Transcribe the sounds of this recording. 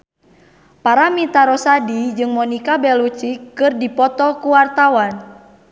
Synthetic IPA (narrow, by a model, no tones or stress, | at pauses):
paɾamit̪aɾɔsadid͡ʒɨŋmɔnikabɛlut͡ʃikːɨrdipɔt̪ɔkuwart̪awan